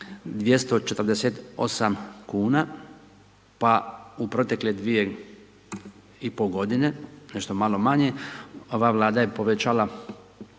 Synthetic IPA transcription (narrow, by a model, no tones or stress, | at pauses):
d̪ʋje̞st̪o̞t͡ʃet̪rd̪eset̪o̞samkuːna | paupɾo̞t̪e̞kled̪ʋije | ipoɡo̞d̪ine̞neʃt̪o̞malo̞maɲeo̞ʋaʋlˠaːd̪aje̞po̞ʋet͡ʃaːla